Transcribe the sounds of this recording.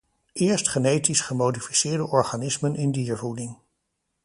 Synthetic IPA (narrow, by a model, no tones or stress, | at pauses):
ʔɪːɹstχənejtisχəmowdifisɪːɹdəʔɔɹχanɪsmənɪndiːɹvudɪŋ